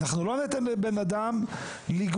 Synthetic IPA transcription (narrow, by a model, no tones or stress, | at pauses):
aχnulo̞net̪enbenad̪am | liɡ